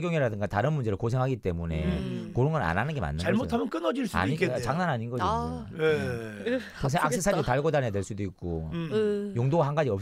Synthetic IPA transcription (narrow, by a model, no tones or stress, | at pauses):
ɡjoŋeɾadɯŋɡataɾɯnmund͡ʑeɾɯɭkosʰe̞ŋɦaɡit͈e̞mune̞koɾɯŋɡʌna̰nanɯnɡe̞ma̰nːaamottʰamjʌnk͈ɯnʌd͡ʑiɭs͈a̰ɲiet͡ɕaŋnanaɲinɡʌd͡ʑije | paŋs̬ʰeŋaak̚sesʰaɾiotaɭɡodaneadweɭs͈udoik͈̚o | joŋdoɡaɦanɡad͡ʑiʌp